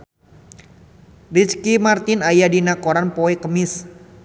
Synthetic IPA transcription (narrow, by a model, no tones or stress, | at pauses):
rit͡ʃkimart̪ɪnajadinakoɾanpoekəmɪs